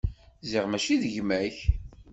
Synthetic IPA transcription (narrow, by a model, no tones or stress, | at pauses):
ziʁmæʃiðəʝmæç